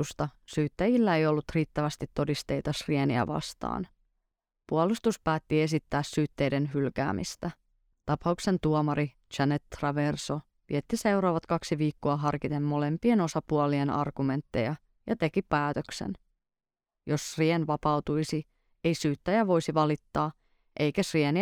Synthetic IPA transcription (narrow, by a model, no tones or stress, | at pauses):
ust̪ɑsyːt̪ːæjilːæe̞jo̞lːut̪riːt̪ːæʋæst̪it̪ːo̞dist̪e̞jt̪ɑsrieniæ̰ʋɑ̰st̪ɑ̰ːn | puɑlust̪uspæːt̪ːie̞sit̪ːæːssyːt̪ːe̞jde̞nɦylkæ̰ːmḭst̪æ | t̪ɑpɑukse̞nt̪uomɑɾi | t͡ʃænet̪ːrɑʋerso̞ | ʋḭet̪ːise̞wɾoːʋɑt̪kɑksiʋiːkːoɑɦɑrkit̪e̞mːo̞le̞mpie̞no̞sɑpuolienɑ̰rɡ̥ume̞nt̪ːe̞̰jɑ | jɑ̰t̪e̞kipæːt̪øksḛn | jo̞srienʋɑpɑwt̪ujsi | ejsyːt̪ːæjæʋo̞jsiʋɑlit̪ːɑː | ʔe̞jkæsrieni